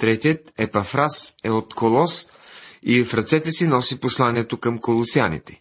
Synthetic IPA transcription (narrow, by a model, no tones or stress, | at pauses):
t̪ɾɛt̪ʲiət̪ɛpɐfɾasɛot̪kʰolˠɔs | ifɾɐt̪sɛt̪ɛsinɔsiposlˠaniɛt̪okəmkolˠosianḭt̪ɛ̥